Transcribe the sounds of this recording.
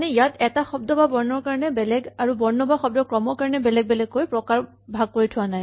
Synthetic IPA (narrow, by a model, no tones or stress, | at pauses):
nɛijatɛtaxɔb̚dɔbabɔɹnɔɹkaɹɔnɛbɛlɛɡaɹubɔɹnɔbaxɔb̚dɔkɹɔmɔɹkaɹɔnɛbɛlɛɡ̚bɛlɛɡːojpɹɔkaɹ | bʱaɡ̚koɹitʰʊwanaj